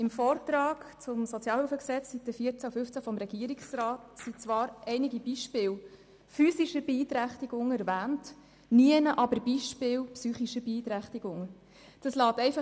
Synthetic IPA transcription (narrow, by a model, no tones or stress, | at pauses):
ɪmfɔːrtɾɑːkt͡sʊmsɔt͡sjɑːlhʉfəksɛt͡sːsitːəfiəɾt͡sæufʏft͡sæfɔmɾɛɡ̥iəɾiksrɑːtsit͡sʋɑːɾʔɛɪniɡib̥iːʃpɪːw | fyːsiʃəɾbɛiːt̪ɾæχtiɡ̥ʊŋɛɾvæːnt | niənəʔɑbəɾbiʃpɪːwpsyːχiʃəbiːt̪ɾæχtiɡ̥ʊŋ | d̥ɑslɑːtɛɪfɑ